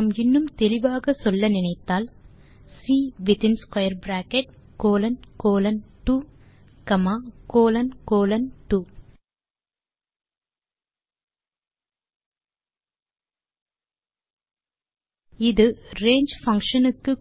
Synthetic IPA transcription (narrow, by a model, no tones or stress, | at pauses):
mɪnːɯmt̪ɛlɪʋaːɣɐsɔlːɐnɪnɐɪt̪ːaːl | siːʋɪt̪ɪnskwɐjɐɾbɾaːkɛʈ̚koːlɐnkoːlɐnʈuː | kɐmaːkoːlɐnkoːlɐnʈuː | ɪðɯɾeːɲd͡ʒfɐŋkʂɐnɯkːɯ